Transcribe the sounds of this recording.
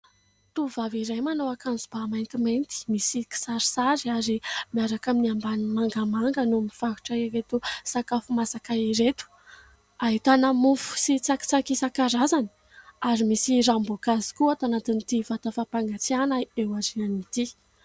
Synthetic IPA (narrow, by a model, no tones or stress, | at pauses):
t̪uvaviɾajmanowakanzubamajnt̪iment̪i̥misiki̥saɾi̥saɾaɾimiaɾakaminiambanmaŋɡamaŋɡənumiv̥aɦu̥ʈ͡ʂaiɾet̪usakafumasakaiɾet̪u̥ | aɦit̪anəmufu̥sit͡saki̥t͡sakisakaɾazani̥ | aɾimisiɾamboɡazi̥kuat̪anat̪int̪ivat̪afapaŋɡat͡sianaewazianit̪i